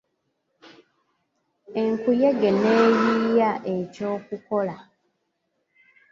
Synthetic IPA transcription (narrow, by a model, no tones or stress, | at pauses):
e̞ŋkujeɡeneːjiːjaʔe̞co̞ːkuko̞la